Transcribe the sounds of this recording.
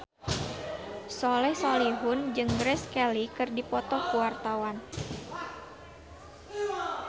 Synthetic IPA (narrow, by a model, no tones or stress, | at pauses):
sɔlɛsɔliɦʊnd͡ʒɨŋɡɾɛskɛlikɨrdipɔt̪ɔkuwart̪awan